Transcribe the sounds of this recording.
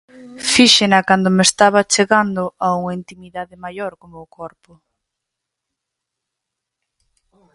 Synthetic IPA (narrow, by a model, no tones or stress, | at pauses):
fiʃenɐkand̪omest̪aβɐt͡ʃeɣand̪ʊʔauŋɐint̪imiðaðɪmajoɾkomoːkʰɔɾpʊ